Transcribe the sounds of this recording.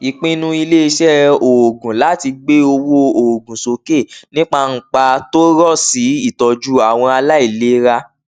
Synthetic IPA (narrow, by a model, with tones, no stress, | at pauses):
i˨k͡pĩ˦nũ˧i˧le˦i˧ʃɛ˦o˨ɡũ˨la˨˦˨ti˧ɡ͡be˦o˧wo˧o˨ɡũ˨so˨˦ke˦˨nĩ˦k͡pa˧ŋ̩˨k͡pa˧to˦ɾɔ˦˨si˨˦i˦˨tɔ˨d͡ʒu˦a˨w̃ɔ̃˧a˧la˦i˦˨le˦ɾa˧